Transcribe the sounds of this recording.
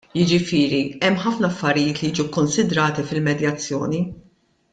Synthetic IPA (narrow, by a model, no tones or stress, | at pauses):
jɪd͡ʒɪfɪːɾiɛmːħɐfnɐɐfːɐɾɪjɪːt̪lijiːd͡ʒukːɔnsɪd̪ɾɐːt̪ifɪlmɛd̪jɐt͡sːjɔ̰ːni